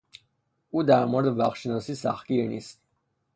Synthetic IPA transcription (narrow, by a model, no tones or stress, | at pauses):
ud̪aɾmɔɾd̪vaχʃnɔsisa̰χkinḭs